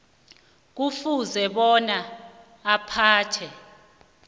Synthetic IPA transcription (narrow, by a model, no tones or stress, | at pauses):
k̬ufuzɛɓɔnaː | pʰaːtʰɛ